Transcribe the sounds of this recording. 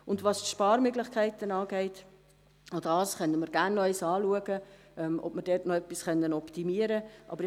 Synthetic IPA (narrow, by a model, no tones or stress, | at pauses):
ʊndʋɑstʃpɑːɾmøɡlɪχkʰæɪtənɑːɡɛɪt | odɑːsχœnəməɾɡænːœʏsɑːluəɡə | ʔɛmɔ̰b̥məɾdɛtnɔœpːisχœnːənɔptimiəɾəʔɑ̰bəɾɪ